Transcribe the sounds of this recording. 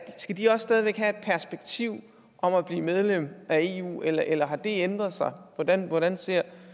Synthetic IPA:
sɡ̥æd̥iɒ̽ssːd̥ɛːð̞ˠiʋeɡ̥ɦæe̝d̥̚pʰæɐsb̥eɡ̥̚t͡sʰiʊ̰ | ʔɒ̽mæb̥liːmeð̞ˠlem̰ʔæe̝ːṵːelɐʔelɐɦɑ̈d̥e̝end̥ʁɐðˠsɑ̈ɪʋɒd̥ænʋɒɾænse̝ɐ̰

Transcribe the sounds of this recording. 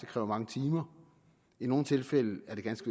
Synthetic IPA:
ekʰʁɛːʊɐmɑ̈ŋət͡sʰiːmɐ | ino̝ːn̩t͡sʰe̝lfel̰əæɐd̥e̝ɡ̥ænsɡ̥ə

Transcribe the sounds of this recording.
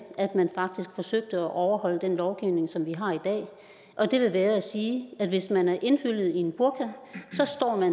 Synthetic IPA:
æd̥mænfɑ̈ɡ̥̚d̥isɡ̥fɒ̽søɡ̥̚d̥əɒʔɒʊɐhɒ̽l̰əd̥enlɒʊɡ̥iʊ̰ne̝ŋsɒ̽mʋiɦɑ̈id̥ɛ̰ː | ʔɒ̽d̥e̝ʋe̝ʋæːɐæsiːæd̥ʋe̝smænæɐʔe̝nfyl̰ð̞̩ˠie̝nb̥uɐɡ̥ʰæsɒ̽sd̥ɒ̰ːmæn

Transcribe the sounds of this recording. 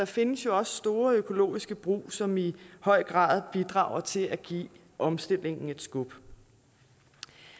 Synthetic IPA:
d̥ɑ̈fe̝nəsjo̝ɒ̽sə̥sd̥o̝ːɐøkʰo̝lo̝̰ːisɡ̥əb̥ʁṵːsɒ̽mihɒ̽ɪ̰ɡ̥ʁɑ̰̈ːð̞ˠb̥id̥ʁɑ̰̈ːʊ̰ɐt͡sʰe̝læɡ̥ḭː | ʔɒ̽msd̥e̝l̰e̝ŋn̩e̝d̥sɡ̥ub̥

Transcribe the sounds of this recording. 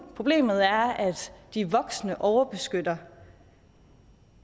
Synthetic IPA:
pʰʁo̝b̥le̝̰ːmð̞̩ˠæɐæd̥d̥iʋɒ̽ɡ̥snəʔɒʊɐb̥e̝sɡ̥ød̥ɐ

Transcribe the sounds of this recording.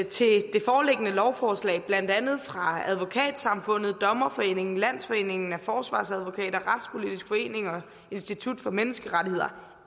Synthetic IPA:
t͡sʰe̝d̥e̝fɒːle̝ɡ̥ənəlɒʊfɒːslɛ̰ɪb̥læn̰d̥ænð̞̩ˠfʁɑ̈æð̞ˠʋo̝kʰɛ̰ːd̥sɑ̈mfɔ̽n̰ð̞̩ˠd̥ɒ̽mɐfɒ̽e̝̰ːne̝ŋn̩læn̰sfɒ̽e̝̰ːne̝ŋn̩æfɒːsʋɑ̰̈ːsæðˠʋo̝kʰɛ̰ːɾ̥ɐʁɑ̈d̥spʰo̝lid̥isɡ̥fɒ̽e̝̰ːne̝ŋɒ̽ | e̝nsd̥it͡sʰud̥fɒ̽menəsɡ̥əʁadie̝ð̰ˠɐ

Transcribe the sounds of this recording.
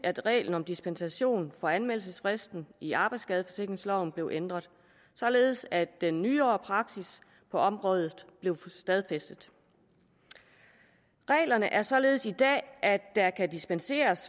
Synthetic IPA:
æd̥ʁɛ̰ːln̩ɒ̽md̥isb̥ensæɕo̝̰ːnfɒ̽ænmel̰səsfʁesd̥n̩iɑ̈ːb̥ɑ̈ɪd̥sɡ̥ɛðˠəfɒ̽se̝ɡ̥ʁeŋslɒʊ̰n̩b̥le̝ʊʔend̥ʁɐð̞ˠ | sɒ̽le̝ːð̞ˠsæd̥enːyːɐːpʰʁɑ̈ɡ̥sis | pʰɒ̽ɒ̽mʁɔ̽ːð̞ˠð̩ˠb̥le̝ʊsd̥ɛð̞ˠfesd̥əð̩ˠ | ʁɛ̰ːlɐnəʔæɐsɒ̽le̝ːð̞̩ˠsid̥ɛ̰ːʔædd̥ɑ̈kʰædisb̥ense̝̰ːɐs

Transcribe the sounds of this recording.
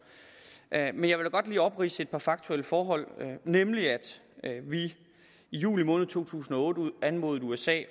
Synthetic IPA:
ʔmenjɑʋe̝l̥æɡ̥ɒ̽d̥liːɒ̽b̥ʁḭːsəe̝d̥̚pʰɑ̈fɑ̈ɡ̥̚t͡sʰuel̰əfɒːɦɒ̽l̰nemliæd̥ | ʋi | ijṵːlimɔ̽ːnð̩ˠt͡sʰo̝̰ːt͡sʰṵːsn̩ɒ̽ɔ̽ːd̥əænmo̝ːð̞̩ˠuesɛ̰ː

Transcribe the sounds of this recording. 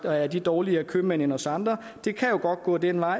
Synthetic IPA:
ɒæɐd̥id̥ɒːliɐkʰømen̰enɒ̽sɑ̈nd̥ʁɐ | d̥e̝kʰæjo̝ɡ̥ɒ̽d̥̚ɡ̥ɔ̰̽ːd̥enʋɑ̈ɪ̰

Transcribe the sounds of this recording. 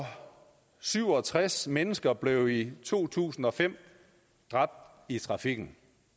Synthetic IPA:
ɒ̽ | syʊ̰ɒ̽t͡sʰʁasmenəsɡ̥ɐb̥le̝ʊit͡sʰo̝̰ːt͡sʰṵːsn̩ɒ̽fem̰ | d̥ʁɑ̈b̥̚d̥ | it͡sʰʁɑ̈fiɡ̥n̩

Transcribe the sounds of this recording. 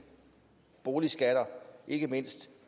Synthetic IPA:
b̥o̝ːlisɡ̥æɾ̥ɐʔe̝ɡ̥əme̝n̰sd̥

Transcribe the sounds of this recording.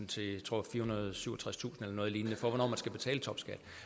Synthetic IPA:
n̩t͡sʰe̝t͡sʰʁo̝ɐ̰fiːɐhunɐð̞ˠsyʊɒt͡sʰʁast͡sʰṵːsn̩elɐnɔ̽ːð̞ˠliːnnəfɒ̽ʋɒnɒ̰ːmænsɡ̥æb̥e̝t͡sʰɛ̰ːlət͡sʰɒ̽b̥sɡ̥æl̰

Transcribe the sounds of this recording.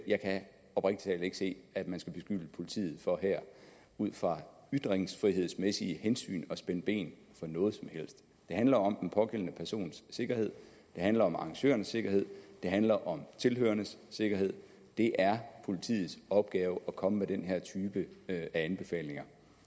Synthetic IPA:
jɑ̈ɪkʰæ | ɒ̽b̥ʁeɡ̥d̥i̥t͡sʰɛ̰le̝ɡ̥əse̝̰ːæd̥mænsɡ̥æb̥e̝sɡ̥yləpʰo̝lit͡sʰḭːð̩ˠfɒ̽ɦæɐ̰ | uð̰ˠfʁɑ̈ | yd̥ʁeŋsfʁiɦe̝ð̞̰ˠsmesiəhensy̰ːnɒ̽sb̥enəb̥e̝̰ːn | fɒ̽nɔ̽ːð̩ˠsɒ̽mhel̰sd̥ | d̥e̝ɦænlɐɒ̽menpʰɒ̽ɡ̥el̰nəpʰæɐso̝̰ːnsːe̝ɡ̥ɐhe̝ð̰ˠ | d̥e̝ɦænlɐɒ̽mɑ̈ŋɕø̰ːɐnəsːe̝ɡ̥ɐhe̝ð̞̰ˠd̥e̝ɦænlɐʔɒ̽mt͡sʰe̝lɦø̰ːɐnəsːe̝ɡ̥ɐɦe̝ð̞̰ˠ | d̥e̝ʔæɐpʰo̝lit͡sʰḭːð̩ˠsɒ̽b̥̚ɡ̥ɛːʊəɒ̽kʰɒ̽məmed̥enɦæɐ̰t͡sʰyːb̥əæænb̥e̝fɛ̰ːle̝ŋɐ

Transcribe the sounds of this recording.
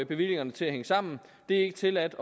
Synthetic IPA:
b̥e̝ʋil̰e̝ŋɐnət͡sʰe̝læɦeŋəsɑ̈m̰n̩d̥e̝e̝ɡ̥ət͡sʰe̝læd̥ɒ

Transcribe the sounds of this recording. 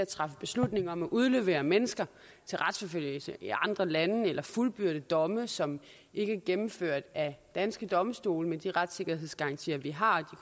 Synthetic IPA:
æt͡sʰʁɑ̈fəb̥e̝slud̥ne̝ŋɒ̽mæʔuð̞ˠløʋḛːɐmenəsɡ̥ɐ | t͡sʰe̝lʁäd̥sfɒ̽føl̰jəlsəʔiʔɑ̈nd̥ʁɐlænəelʔɐfulb̥yɐɾ̥əd̥ɒ̽məsɒ̽m | ʔe̝ɡ̥əæɐɡ̥emm̩føɐ̰d̥æd̥ænsɡ̥əd̥ɒ̽msd̥o̝̰ːlmend̥iʁad̥se̝ɡ̥ɐɦe̝ðˠsɡ̥ɑ̈nt͡sʰḭːɐʋiɦɑ̈d̥i

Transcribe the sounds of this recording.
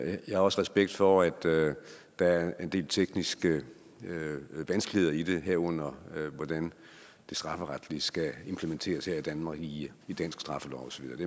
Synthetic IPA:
jɑhɑ̈ɒ̽səʁɛsb̥eɡ̥̚d̥fɒæd̥ː | ɑæɐe̝nd̥e̝̰ːlt͡sʰeɡ̥nisɡ̥ə | ʋænsɡ̥lihe̝ð̞̰ˠɐid̥e̝ɦeɐ̰ɔ̽n̰ɐʋɒd̥æn | d̥e̝sd̥ʁɑ̈fəʁad̥lisɡ̥æe̝mpʰlement͡sʰe̝̰ːɐsheɐid̥ænmɑ̈ːɡ̥iid̥ænsɡ̥sd̥ʁɑ̈fəlɒ̰ʊɒ̽sɒ̽ʋiðˠɐːd̥e

